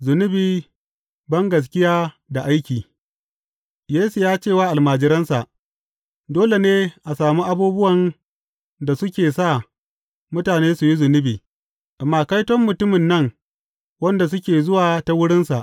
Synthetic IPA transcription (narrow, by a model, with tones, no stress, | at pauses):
zʊ˨nʊ˦biː˨ | bɐ˦ŋɡɐ˨s̬kʲɪ˦jaː˦ | da˨ʔa˦jkʲiː˨ | jeː˦su˨jaː˦t͡ʃeː˦˨waː˦ʔa˨lmaː˨d͡ʒɪ˦ɾɐ˦nsa˨ʔ | doː˦le˨neː˦ʔa˨saː˨muː˦ʔa˨buː˦bʊ˦wɐ˨n | da˨sʊ˦kʲeː˨sa˦˨ | mʊ˦taː˨neː˦su˨ji˦zʊ˨nʊ˦biː˨ | ʔa˨mːaː˦˨ka˦jtɔ˦mːʊ˨tʊ˦mɪ˨nːɐ˦˨ŋ | wɐ˦nda˨s̬ʊ˦kʲeː˨zʊ˦waː˨ta˦wʊ˦ɽɪ˦nsa˨ʔ